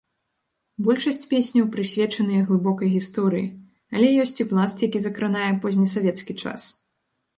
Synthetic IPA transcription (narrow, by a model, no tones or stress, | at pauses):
bɔlʲʂɐsʲt͡sʲpʲesʲnʲɐwpɾɨsʲvʲɛt͡ʂɐnɨjɐɣlˠɨbɔkɐjɣʲist̪ɔɾɨjḭ | ɐlʲɛjɔsʲt͡sʲiplˠast̪jakʲizɐkɾɨnajɛpɔzʲnʲisavʲɛt̪skʲit͡ʂa̰s